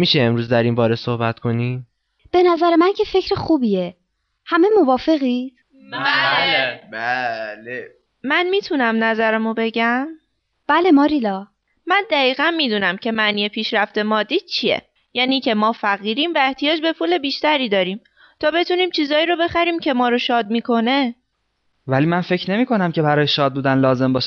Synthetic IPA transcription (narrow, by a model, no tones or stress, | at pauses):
miːʃeemɾuːzd̪æɾimbɒːɾesohbæt̪kʰo̞ni | b̥e̞næzæɾemæncʰefe̞cʰɾexuːbie | hæme̞movɒːfe̞ɣiːt̪ | bæle | mænmiːt̪ʰunæmnæzæɾæmobe̞ɟæm | b̥ælemɒːɾilɒ | mænd̪æɣiːɣænmiːd̪uːnæmcʰe̞mæʔniːje̞pʰiːʃɾæft̪e̞mɒːd̪iːd̪̥̚t͡ʃʰie̞̰ | jæːniːcʰe̞mɒːfæɣiːɾiːmvæe̞ht̪ʰijɒːd͡ʒbe̞fuːle̞biːʃt̪æɾiːd̪ɒːɾiːm | t̪ʰɒːbe̞t̪ʰuniːmt͡ʃʰiːzɒːiːɾo̞be̞xæɾiːmcʰe̞mɒːɾoʃɒːd̪̚miːkʰo̞ne̞ | væliːmænfe̞cʰne̞miːko̞næmcʰe̞bæɾɒːjeʃɒːd̪̚buːd̪ænlɒːze̞mbɒːʃæ